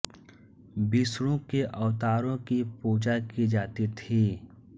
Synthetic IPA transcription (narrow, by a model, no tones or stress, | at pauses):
bisɾõkeʔɐʋt̪aːɾõkipuːd͡ʒakid͡ʒaːt̪it̪ʰiː